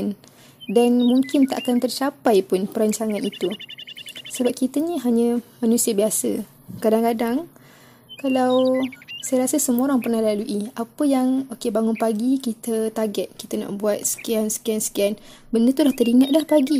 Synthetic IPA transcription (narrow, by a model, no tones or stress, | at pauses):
n | danmuŋkɪnt̪aʔakant̪ərt͡ʃapajpʊnpəɾaɲt͡ʃaŋãnit̪u | səbap̚kit̪əɲiɦaɲə̃manusiəbiasə̰ | kadaŋkadaŋ | kalawsajaɾasəsəmoɾaŋpərnahlaluʔiapəjaŋokebaŋʊnpaɡikit̪ət̪aɡɛt̪̚kit̪əna̰ʔbuat̪̚sə̥kiansə̥kiansə̥kian | bəndət̪ulaht̪əɾiŋat̪̚lahpaɡi